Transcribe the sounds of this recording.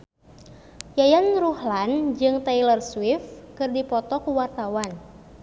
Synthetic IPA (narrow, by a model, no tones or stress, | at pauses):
jajanruhland͡ʒɨŋt̪ajlərswifkɨrdipɔt̪ɔkuwart̪awan